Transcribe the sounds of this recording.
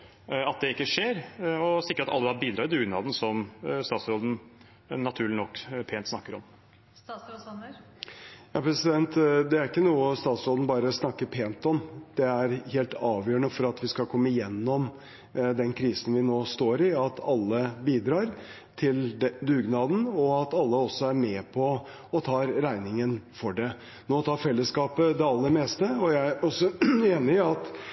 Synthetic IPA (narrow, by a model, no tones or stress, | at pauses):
ɑt̪̚d̪ɛɪkːəʂeːɾɔsɪkːəɾɑt̪ɑlːəɑbiːd̪ɾɑːt̪ɪd̪ʉːɡnɑ̰ːd̪n̩sɔmst̪ɑːt̪sɾoːd̪n̩ | nɑt̪ʰʉːɭɪnɔkːpʰeːnt̪snɑkːəɾɔm | jɑːpʰɾɛsɪd̪ɛnt̪d̪ɛæɾɪkːənuːəst̪ɑːt̪sɾoːd̪ən̩bɑːɾəsnɑkːəpʰeːnt̪ɔmd̪̥ɛæɾheːlt̪ʰɑːʋjøːəɳəfɔɾɑt̪ʋɪskɑlkʰɔmːəɪjɛnːɔm | d̪ɛnkʰɾiːsən̩ʋɪnoːst̪oːɾɪɑt̪ʰɑlːəbiːd̪ɾɑːɾ | t̪ʰɪld̪ʉːɡnɑːd̪n̩ɔɑt̪ɑlːəɔsːɔæɾmɛːpʰɔ | ɔt̪ʰɑːɾɾæɪnɪŋənfɔɖɛ | noːt̪ʰɑːfɛlːəskɑːpəd̪ɛɑlːəɾmeːst̪əɔjæɪæɾɔsːɔeːnɪɑt̪